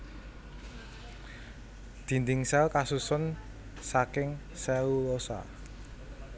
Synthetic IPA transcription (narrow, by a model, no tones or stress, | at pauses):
d̪̥i̤nd̪ɪŋsɛlkasusʊn | sakɪŋ | sɛwulosa̰